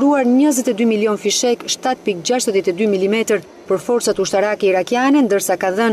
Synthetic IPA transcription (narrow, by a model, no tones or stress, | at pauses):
ɾuaɾɲəzɛt̪ɛd̪ymiljɔnfiʃɛkʃt̪at̪̚pik̚d͡ʑaʃt̪əðjɛt̪ɛd̪ymilimɛt̪əɾ | pəɾfɔɾt͡sat̪uʃt̪aɾakɛiɾakjanɛnd̪əɾsakaðən